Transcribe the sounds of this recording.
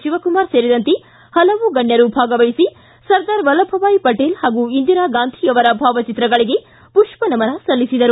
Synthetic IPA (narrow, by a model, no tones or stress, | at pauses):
t͡ʃiʋɐkumaːɾseːɾid̪ɐnt̪e | hɐlɐʋuɡɐɳjɐɾubʱaːɡɐʋɐjisi | sɐɾd̪aːɾʋɐlɐbʱɐʋaːjipɐʈeːlhaːɡuind̪iɾaːɡaːnd̪ʱʰiɐʋɐɾɐbʱaːʋɐt͡ʃit̪ɾɐɡɐɭiɡe̞ | puʂpɐnɐmɐnɐsɐlːisid̪ɐɾu